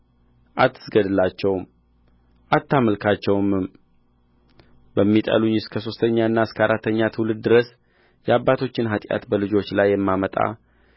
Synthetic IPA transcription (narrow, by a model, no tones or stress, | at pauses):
ʔat̪ʰːɨ̥sɡəd̪ɨlat͡ʃːɛwm | ʔat̪ʰːaməlkʰat͡ʃːɛwmɨm | bəmːit̪ʼə̰luɲːɪskʰəso̞st̪ʰəɲːaɨnːaɨskʰəaɾat̪ːəɲːat̪ʰɨwlɨd̪̚d̪ɨɾəs | jɛabːat̪ʰo̞t͡ʃːɪnɦat̪ʼja̰t̪bəlɨd͡ʒo̞t͡ʃlajːɛmːamət̪ʼa̰